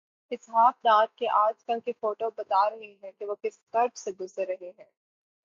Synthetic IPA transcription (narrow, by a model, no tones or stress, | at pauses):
ɪsɦaːfd̪aːt̪̚keʔaːd͡ʒkɐlkefoːʈobɐt̪aɾɐɦiɦɛ̃keʋoːkɪskɐɾbseɡʊzəɾːɐɦeɦɛ̃ː